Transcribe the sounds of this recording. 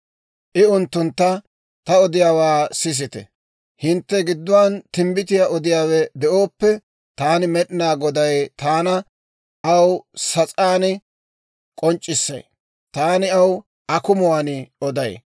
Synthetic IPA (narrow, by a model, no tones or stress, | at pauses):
ʔɪʊnt̪ːʊnt̪ːɐ | t̪ɐɔd̪ɪjaːwaːsɪs̬ɪt̪ɛ̰ | hɪnt̪ːɛɡɪd̪ːʊwaːnt̪ɪmbɪt̪ɪjaʔɔd̪ɪjaːwɛd̪ɛo̞ːpːɛ | t̪aːnɪmɛɗɪnaːɡɔd̪ɐjt̪aːnɐ | ʔɐwsɐt͡sʼaːnɪ | kʼɔnt͡ʃʼːɪsːɐ̰j | t̪aːnɪɐw | ʔɐkʊmʊwaːnɪɔd̪ɐj